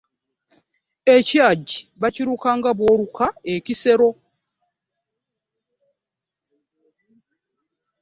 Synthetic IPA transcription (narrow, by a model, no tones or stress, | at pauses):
ecaɟiβaciɾuːkaːŋɡaβwoːɾukʰaecise̞ɾo̞